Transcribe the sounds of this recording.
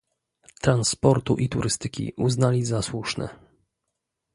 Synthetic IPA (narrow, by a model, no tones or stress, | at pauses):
t̪ɾanspɔɾt̪uʔit̪uɾɘst̪ɘkʲḭʔuznalʲizaswuʂnɛ̰